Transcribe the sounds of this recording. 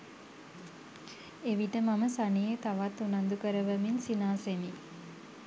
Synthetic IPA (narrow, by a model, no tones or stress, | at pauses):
eʋiʈəmaməsanijet̪aʋat̪ːunand̪ukəɾəʋəminsinaːsemi